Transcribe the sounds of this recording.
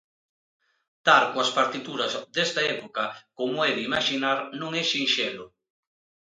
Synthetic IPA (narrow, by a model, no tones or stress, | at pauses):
t̪aɾkoaspaɾt̪it̪uɾɐzd̪est̪aɛpokɐkomoɛðimaʃinaɾnõŋɛʃinʃelo